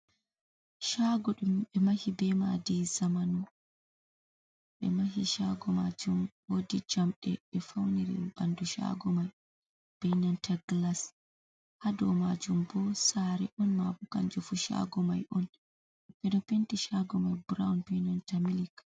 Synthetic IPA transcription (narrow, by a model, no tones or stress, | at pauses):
ʃaɡɔɗumɓɛmahibɛmadizamanɔ | ɓɛ̰maɦiʃaɡɔmad͡ʒumwodid͡ʒamɗɛɓɛfawniɾḭbanduʃa̰ɡɔmaj | b̥ɛjnantaɡlas | hadɔmad͡ʒumbɔsaɾɛʔɔnmabuka̰nd͡ʒufuʃa̰ɡɔmajʔɔn | bɛɗɔpentiʃaɡɔmajbuɾaunbɛjnantamilik